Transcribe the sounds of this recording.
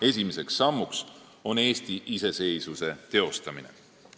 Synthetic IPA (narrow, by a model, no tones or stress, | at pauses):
e̞sʲimese̞ksːɑmːuks | o̞ne̞ːst̪iʔise̞se̞jsuse̞t̪e̞o̞st̪ɑminḛ